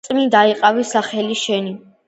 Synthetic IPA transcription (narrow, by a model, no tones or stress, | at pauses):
mid̪aiqʼavisaχɛliʃɛni